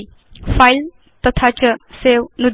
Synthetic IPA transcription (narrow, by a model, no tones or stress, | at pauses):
pʰajl | t̪ʌt̪ʰat͡ʃɐsewnud̪